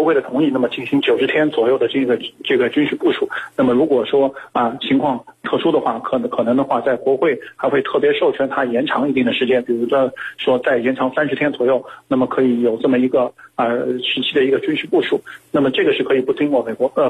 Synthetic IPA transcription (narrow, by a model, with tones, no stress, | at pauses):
wɔ˥we˥˩ɪd̪ə˩t̪ʰʊ˧˥ŋi˥˧na˥˩mə˩t͡ɕi˥˩nɕi˧˥ŋt͡ɕjo˨˩ʊʂɻ̩˧˥t̪ʰjɛ˥nt͡swɔ˨˩jo˥˩ʊd̪ə˩ʈ͡ʂɡə˩ʈ͡ʂɤ˥˩ɡə˩t͡ɕy˥nʂɻ̩˥˧pu˥˩ʂu˨˩˦na˥˩mə˩ɻu˧˥kwɔ˨˩ʂwɔ˥ɐ˧t͡ɕʰi˧˥ŋkʰwɑ˥˧ŋt̪ʰɤ˥˩ʂu˥d̪ə˨xwa˥˩kʰkʰɤ˨˩nɤ˧˥ŋd̪ə˧xwa˥˧t͡sa˥˩ɪkwɔ˧˥xwe˥˩ɪxa˧˥ɪxwe˥˧ɪt̪ʰɤ˥˩pjɛ˧˥ʂo˥˩ʊt͡ɕʰɥɛ˧˥nt̪ʰa˥jɛ˧˥nʈ͡ʂʰɑ˧˥ŋi˥˧t̪i˥˩ŋd̪ə˩ʂɻ̩˥˧˥t͡ɕjɛ˥˩npi˨˩ɻu˧˥˩ʂwɔ˥t͡sa˥˩ɪjɛ˧˥nʈ͡ʂʰɑ˧˥ŋsa˥nʂɻ̩˧˥t̪ʰjɛ˥nt͡swɔ˨˩jo˥˩ʊna˥˩mə˩kʰɤ˧˥i˧˩jo˨˩ʊʈ͡ʂɤ˥˩mə˩i˧˥ɡə˧ɐ˧ʂɻ̩˧˥t͡ɕʰi˥d̪ə˨i˧˥ɡə˧t͡ɕy˥nʂɻ̩˥˧pu˥˩ʂu˨˩˦na˥˩mə˩ʈ͡ʂɤ˥˩ɡə˩ʂɻ̩˥˩kʰɤ˧˥i˨˩pu˥˩t̪ʰi˥ŋkwɔ˥˩me˨˩ɪkwɔ˧˥˧